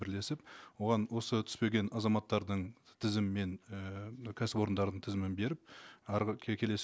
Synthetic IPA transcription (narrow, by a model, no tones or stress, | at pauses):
bɪɾle̞sɪp̚wo̞ʁɑnwo̞sət̪ʰʏ̥spe̞ɡʲe̞nʔɑzɑmɑt̪ːɑɾd̪əɴt̪ʰɪzɪmːe̞nəkʲʰæsɪbo̞ɾənd̪ɑɾd̪əɴt̪ʰɪzɪmɪnbe̞ɾɪp̚ɑɾʲʰkʲʰe̞le̞s